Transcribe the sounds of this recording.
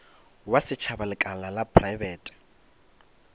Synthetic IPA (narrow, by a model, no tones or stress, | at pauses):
wasɪt͡ʃʰabalɪkʼalalapʰʼrabɛːtʼɪ̥